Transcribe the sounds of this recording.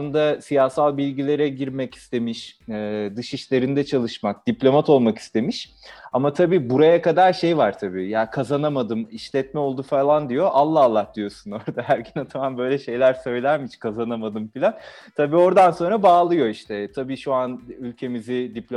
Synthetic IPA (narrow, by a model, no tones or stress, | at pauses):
ɯnd̪asijahsalˠbilʲɟilʲe̞ɾɛɟiɾmɛci̥st̪ʰe̞miʃd̪ɯʃiʃlʲe̞ɾind̪ɛt͡ʃʰalˠɯʃmak̚d̪̥iplʲo̞mat̪ʰo̞lˠmaki̥st̪ʰe̞miʃ | amat̪ʰabiːbuɾajakad̪aɾʃe̞jvaɾt̪ʰabḭːjaːkʰazanamad̪ɯmiʃlʲɛt̪̚mɛolˠd̪ufalˠand̪ijo̞ʔalˠːaːlˠːahd̪̥ijo̞suno̞ɾd̪aɦæɾɟynat̪ʰamambø̞jlʲɛʃe̞jlʲæɾsø̞jlʲæɾmiʃkʰazanamad̪ɯmfilʲan | t̪ʰabiːo̞ɾd̪anso̞nɾabaːlˠɯjo̞iʃt̪ʰɛt̪ʰabiːʃuanylʲcʰe̞mizid̪iplʲo